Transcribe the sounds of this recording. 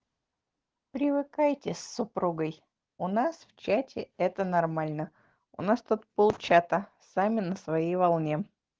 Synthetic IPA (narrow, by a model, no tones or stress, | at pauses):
pɾʲɪvɨkajtʲɪsːʊpɾuɡəj | ʊnasft͡ɕatʲɪɛt̪ənɐrmalʲnə | ʊ̰nast̪ot̪̚polˠt͡ɕat̪ə | samʲɪnəsvɐjejvɐlˠnʲe